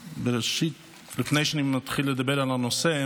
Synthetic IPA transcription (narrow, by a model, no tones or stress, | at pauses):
bɪɾɛʃit̚ | lɪfneɪʃnimat̪χilːəd̪abeɾalanose